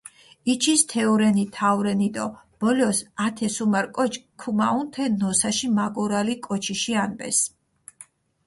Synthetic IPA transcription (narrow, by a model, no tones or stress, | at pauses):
it͡ʃʰist̪ʰɛɔɾɛnit̪ʰavwɾɛnid̪ʼɔ | b̥ɔlɔsat̪ʰɛsumaɾkʼɔt͡ʃkʰumaunt̪ʰɛnɔsaʃimaɡuɾalikʼɔt͡ʃʰiʃianbɛ̰s